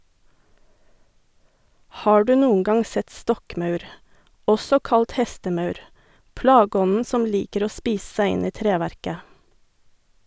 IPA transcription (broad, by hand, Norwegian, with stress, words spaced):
ˈhɑː ˈɖʉː ˈnuːəŋ ˈɡɑŋ ˈsɛt ˈstɔkˌmɑʉɾ ˈɔsɔ ˈkɑlt ˈhɛstəˌmɑʉɾ ˈplɑːɡəˌɔnn̩ ˈsɔm ˈliːkəɾ ˈoː ˈspiːs̩ ˈsæɪ ˈɪn ˈiː ˈtɾeːˌʋæɾkə